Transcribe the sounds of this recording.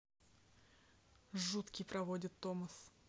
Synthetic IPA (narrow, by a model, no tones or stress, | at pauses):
ʐut̪kʲɪjpɾɐvodʲɪt̪ːoməs